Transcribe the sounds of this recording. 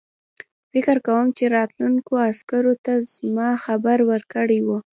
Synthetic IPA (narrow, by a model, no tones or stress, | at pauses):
fɪkəɾkawəmt͡ʃeɾɑt̪lunkoaskaɾot̪azmɑxabaɾwəɾkəɽewu